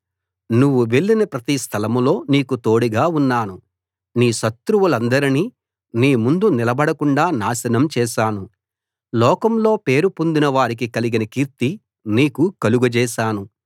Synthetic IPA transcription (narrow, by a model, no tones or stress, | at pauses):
nuʋːuʋe̞ɭːinɐpɾɐt̪ist̪ʰɐlɐmlo̞ːniːkut̪o̞ːɽiɡaːunːaːnu | niːʃɐt̪ɾuʋulɐnd̪ɐɾini | niːmund̪unilɐbɐɽɐkuɳɖaːnaːsɐnɐmt͡ʃɛːʃaːnu | lɔːkɐmlo̞ːpe̞ːɾupund̪inɐʋaːɾik̬ikɐliɡinɐkiːɾt̪i | niːkukɐluɡud͡ʒɛːʃaːnu